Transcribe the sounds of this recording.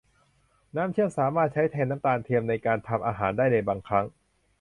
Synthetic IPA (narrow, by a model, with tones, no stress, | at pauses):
naː˦˥mt̪t͡ɕʰɯ˥˩əŋsaː˩˦maː˥˩t̪̚t͡ɕʰa˦˥jt̪ʰɛː˧nːaː˦˥mt̪aː˧nt̪ʰi˧əmna˧jkaː˧nt̪ʰa˧mʔaː˧ɦaː˩˦ndaː˥˩jnɯː˧jbaː˧ŋkʰɾa˦˥ŋ